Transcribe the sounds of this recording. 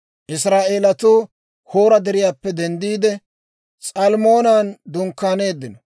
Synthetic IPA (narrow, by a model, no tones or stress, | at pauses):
ʔɪsɾaːʔeːlɐt̪uː | hoːɾɐd̪ɛɾɪjaːpːɛd̪ɛnd̪iːd̪ɛ | sʼɐlmo̞ːnaːnd̪ʊŋkːaːne̞ːd̪ːɪnɔ